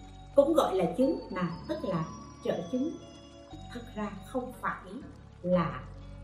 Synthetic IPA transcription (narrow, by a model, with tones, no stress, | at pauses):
kʊ̰˧˥ŋ͡mɣɔ̰˧˨jlaː˨˩t͡ɕɨ˨˦ŋnaː˨˩wt̪ə˦˥k̚laː˨˩ | t͡ɕə̰ː˧˨t͡ɕɨ˨˦ŋ | t̪ʰɨ˨˩t̚zaː˧xə˧wŋ͡mfaː˧˩jʔi˨˦ | laː˨˩